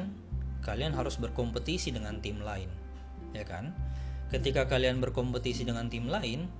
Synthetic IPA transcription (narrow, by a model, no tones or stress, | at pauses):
n | kalianɦaɾʊsbərkɔmpət̪isidəŋant̪imlaɪn | jaka̰nkət̪ikakalianbərkɔmpət̪isidəŋant̪imlaɪn